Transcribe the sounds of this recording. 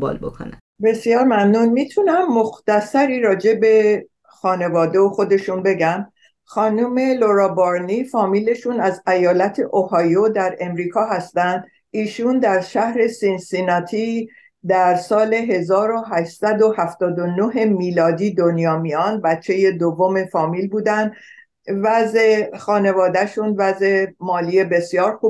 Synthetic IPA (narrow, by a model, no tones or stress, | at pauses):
bɔ̰lbo̰kʰo̰næ̰ | be̞sjɒːɾmæmnuːnmit̪ʰunæmːoxt̪æsæɾiːɾɒːd͡ʒe̞be̞ | xɒːne̞vɒːd̪eoxo̞d̪e̞ʃunbe̞ɟæm | xɒːnuːme̞loɾɒːboɾniːfɒːmile̞ʃuːnæzæjɒːlæt̪ʰe̞ʔohɒːjod̪æɾe̞mɾiːkʰɒːɦæst̪ænd̪ | iːʃund̪æɾʃæhɾe̞sinsinɒt̪ʰi | d̪æɾsɒːle̞ɦe̞zɒːɾo̞ɦæʃsæd̪o̞hæft̪ɒːd̪o̞noɦe̞miːlɒːd̪iːd̪o̞njɒːmiɒːnbæt͡ʃʰːe̞je̞d̪ovːome̞fɒːmiːlbuːd̪ænd̪ | væzexɒːne̞vɒːd̪æʃunvæze̞mɒːlie̞be̞sjɒːɾxu